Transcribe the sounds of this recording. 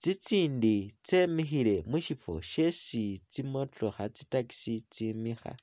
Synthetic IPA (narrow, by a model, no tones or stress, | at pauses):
t͡sit͡siːndit͡semixile̞muʃifo̰ʃe̞sit͡simotoxat͡sitaki̥sit͡simixa̰